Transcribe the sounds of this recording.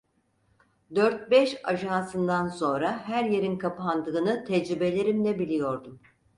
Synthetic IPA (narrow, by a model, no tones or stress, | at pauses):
d̪øɾt̪̚bɛʃaʒansɯnd̪anso̞nɾahæɾje̞ɾinkʰapʰand̪ɯːnɯt̪ʰɛd͡ʒɾibe̞lʲeɾimlʲɛbilʲijo̞ɾd̪um